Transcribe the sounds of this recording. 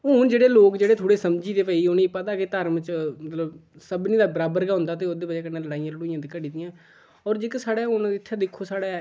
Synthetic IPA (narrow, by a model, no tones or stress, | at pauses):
ʊnd͡ʒeːɽeːloːkd͡ʒeːɽeːt̪ʰoːɽeːsəmd͡ʒiːd̪eːpɛːiːʊniːpət̪aːket̪əɾmət͡ʃmət̪ləbsəbnĩːd̪aːbəɾaːbəɾkaːɦʊ̃nd̪aːt̪̬eːoːd̪eːbəd͡ʒaːkənːẽːləɽaːijãːləɽuːijãːd̪ɪːkːəɖiːd̪ɪjãː | ɔːɾd͡ʒɪksaːɽeːɦʊnɪt̪ʰːed̪ɪkʰːoːsaːɽaː